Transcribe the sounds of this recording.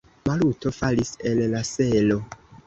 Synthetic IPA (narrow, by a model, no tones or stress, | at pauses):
maluto̞falise̞lːaselo̞